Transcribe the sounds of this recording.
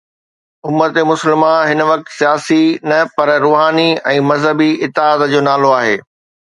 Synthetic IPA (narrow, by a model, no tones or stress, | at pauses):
ʊmːət̪emʊsəlmãɦɪnʋɐk̚t̪sijaːsinɐpɐɾɾuːɦaːniɛ̃ːmɐzɦəbiɪt̪ːɪaːd̪d͡ʑoːnaːloaːɦeː